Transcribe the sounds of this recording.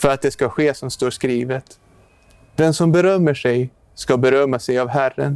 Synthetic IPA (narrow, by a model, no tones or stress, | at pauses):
fœɾat̪̚d̪ɛskaɧeːsɔmst̪oːʂkɾiːvət̪ | d̪̥ɛnsɔmbɛɾœmːəʂɛj | skabɛɾœmːasɛjavɦærːə̰n